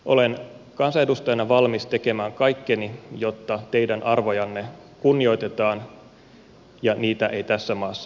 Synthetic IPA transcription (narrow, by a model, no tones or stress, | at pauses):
ʔo̞le̞n | kɑnsɑedust̪ɑjɑnɑʋɑlmist̪e̞ke̞mæːŋkɑjkːenijo̞t̪ːɑt̪e̞jdænʔɑrʋo̞jɑnːe̞ | kunːio̞jt̪e̞t̪ɑːn | jɑniːt̪æʔe̞jt̪æsːæmɑːsːɑ̥